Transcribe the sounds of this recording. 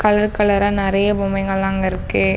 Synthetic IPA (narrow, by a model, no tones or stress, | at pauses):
kɐɭɐɾkɐɭɐɾɐnɪɾɐjɐbʊmɐɪŋɡɐɭaːŋɡɐɪɾɯkːɯ